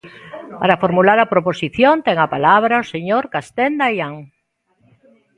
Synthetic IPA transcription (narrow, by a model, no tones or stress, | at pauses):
paɾafoɾmulaɾɐpɾoposiθjont̪ɛŋapalaβɾaoseɲoɾkast̪ɛnd̪ajaŋ